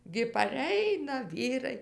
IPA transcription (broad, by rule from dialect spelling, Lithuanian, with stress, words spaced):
ɡʲɪ pɐˈrʲɛɪnɐ ˈʋʲiːrɐɪ